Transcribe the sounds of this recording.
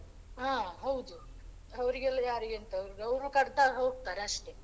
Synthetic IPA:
ãːɦɐwd̪u | ɦɐʋɾiɡɐlːɐjaːɾiɡent̪ɐɐʋɾɡɐwɾukɐɾd̪aːɾɦoːɡ̚t̪aːɾeɐʂʈeː

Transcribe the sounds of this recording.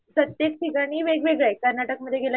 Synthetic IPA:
pɾət̪jek̚t̪ʰikaɽ̃iːʋeɡʋeɡɭekəɾnaʈək̚məd̪ʱːjeɡela

